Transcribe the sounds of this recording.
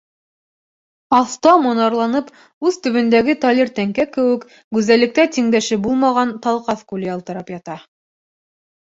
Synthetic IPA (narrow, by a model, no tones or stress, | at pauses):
ɑθt̪ɑmŏnɑɾlˠɑnɤp | ʉðt̪ɵ̆βɵ̆nd̪æɡɘt̪ɑlʲirt̪æŋkækɘ̆wɘ̆k | ɡʉzælɘ̆k̚t̪æt̪iŋd̪æʃɘbulˠmɑʁɑnt̪ɑlˠqɑθkulʲiɑlˠt̪ɤ̆ɾɑpjɑt̪ɑ